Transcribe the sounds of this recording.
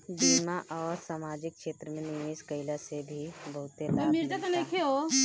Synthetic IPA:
biːmaʔɔːɾsaːmaːd͡ʒɪkkʃeːt̪ɾəmẽnijeːskəɪlasebʱibɐɦʊt̪et̪mɪɾd͡ʒat̪onɐikʰeɦo

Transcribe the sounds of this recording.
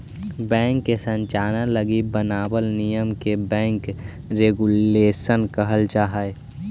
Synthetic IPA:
bɛ̃ːŋkːesə̃ɲt͡ʃaːnaləɡibənaːbəlnijəmkebɛ̃ːŋk | ɾeːɡuleːsənkəɦəld͡ʒaːɦae

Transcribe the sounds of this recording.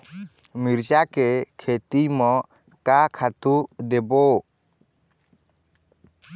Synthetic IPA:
miɾt͡ʃakɛkʰet̪imɔ | kakʰat̪ud̪ɛbɔ

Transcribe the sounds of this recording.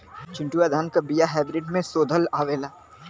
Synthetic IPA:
t͡ʃɪ̃ɳʈuaːd̪ʱaːnkabijaɦaːbɾɪːɖmẽsoːd̪ʱəlaːʋeːlaː

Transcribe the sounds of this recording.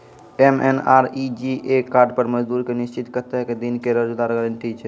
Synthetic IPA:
emḛnaɾid͡ʒiʔekaɾɖpəɾməd͡ʒd̪uːɾkenist͡ʃit̪kəɾt̪eɦɛked̪inkeɾəd͡ʒd̪aɾɡəɾəɳʈit͡ʃʰɛ

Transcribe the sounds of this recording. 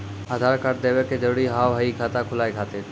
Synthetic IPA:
aːd̪ʱaːɾkəɾd̪eːʋeked͡ʒəʋɽiːɦaːʋɦəiːkʰaːt̪akʰʊlaːikʰaːt̪eː

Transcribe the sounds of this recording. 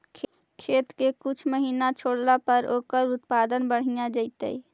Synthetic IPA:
kʰ | kʰet̪kekut͡ʃʰməɦinat͡ʃʰoɽlapəɾʔokəɾut̪pad̪ənbəɽ̤ijad͡ʒəɪt̪ə̰j

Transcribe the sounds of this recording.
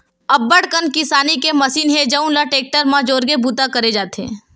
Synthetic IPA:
ɐbːəɽkənkɪsaːnikemɐsiːnɦẽd͡ʒəũnlaʈeːk̚ʈəɾmãd͡ʒoːɾɡebʱuːt̪akɐɾed͡ʒaːt̪ḛ̃ː

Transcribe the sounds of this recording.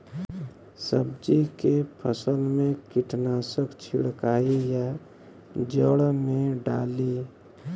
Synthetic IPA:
səbd͡ʒikepʰəsəlmẽkiʈʰnaːsəkt͡ʃʰḭɽkaːija | d͡ʒəɽmẽɖa̰ːli

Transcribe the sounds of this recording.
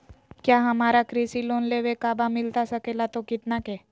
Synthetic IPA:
kjaːɦɐmaːɾakɾisiloːnleːʋekaːbamɪlt̪asɐkeːlat̪okɪt̪nakeː

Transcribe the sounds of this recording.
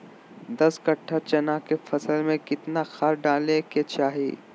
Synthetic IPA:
d̪ɐskɐʈʰːat͡ʃɐnakefʰɐsəlmẽkɪt̪naxaɾɖaːleket͡ʃaːɦḭː

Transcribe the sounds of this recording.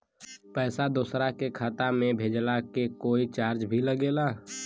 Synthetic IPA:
pɛːsad̪oːsɾakekʰaːt̪amẽbʱeːd͡ʒlakekoːit͡ʃaːɾd͡ʒbʱiləɡeːlaː

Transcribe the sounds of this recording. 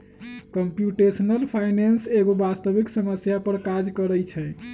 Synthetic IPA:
kəmpjuʈesənəlpʰajnenseɡobast̪əbiksəməsjapəɾkad͡ʒkəɾəjt͡ʃʰɛ

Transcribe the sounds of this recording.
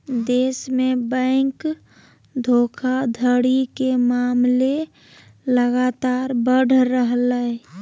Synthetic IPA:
d̪eːsmẽbɛ̃ɪk | d̪ʱokʰad̪ʱəɽikemaːmle | ləɡat̪aːɾbəɽʱɾəɦlə

